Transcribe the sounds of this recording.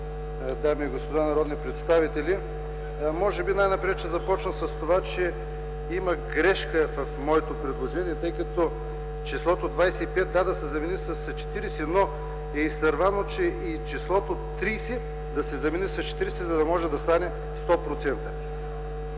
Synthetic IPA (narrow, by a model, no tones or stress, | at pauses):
d̪amiɛɡospod̪anɐɾɔd̪nipɾɛt̪st̪avit̪ɛlʲi | mɔʒɛbinajnɐpɾɛt͡ʃɛzɐpɔt͡ʃnəsɐst̪ovat͡ʃɛ | imɐɡɾɛʃkəvɐfmɔɛt̪opɾɛd̪lˠoʒɛniɛt̪ɤjkɐt̪ɔ | t͡ʃislˠɔt̪od̪vajsɛipɛt̪̚d̪ad̪ɐsɛzɐmɛnisɐst͡ʃɛ̥t̪iɾɛsɛno | ɛist̪ɐɾvanot͡ʃɛʔit͡ʃislˠɔt̪ot̪ːɾijsɛ | d̪ɐsɛzɐmɛnisɐst͡ʃɛ̥t̪iɾɛsɛzɐd̪ɐmɔʒɛd̪ɐst̪anɛ | st̪ɔpɾot̪sɛnt̪ə